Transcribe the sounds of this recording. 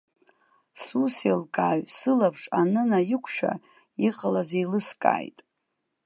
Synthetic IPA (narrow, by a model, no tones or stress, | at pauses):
suselkʼaɥsɨlapʰʂʼanɨnajɪkʷʰʃᶣa̰ | iqʼəlazejlɨskʼa̰ːjtʼ